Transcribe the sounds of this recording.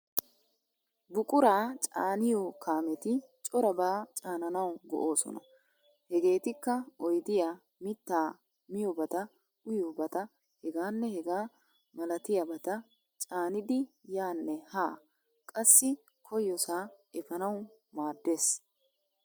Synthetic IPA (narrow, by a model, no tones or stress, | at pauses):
bʊkʼʊɾaːt͡ʃʼa̰ːnɪjɔkaːmɛt̪ɪt͡ʃʼɔɾɐbaːt͡ʃʼaːnɐnɐwɡɔ̰ʔo̞ːsɔ̰nɐ̰ | hɛɡe̞ːt̪ɪkːɐɔjd̪ɪja | mɪt̪ːaː | mɪjɔbɐt̪ɐ | ʔʊjobɐt̪ɐ | hɛɡaːnːɛhɛɡaː | mɐlɐt̪ɪjɐbɐt̪ɐ | t͡ʃʼaːnɪd̪ɪjaːnːɛhaː | kʼɐsːɪ | kʰɔjɔsaːʔɛfɐnɐwmaːd̪ːe̞ːs